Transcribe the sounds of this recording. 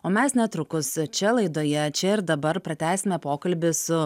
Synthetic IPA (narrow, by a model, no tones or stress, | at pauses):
oːmʲɛsnʲɛt̪ɾʊkʊst͡ʃʲɛlˠɐɪd̪oːjɛt͡ʃʲɛɪɾd̪ɐbɐɾpɾɐt̪ʲæːsʲɪmʲɛpoːkɐlʲbʲɪsʊ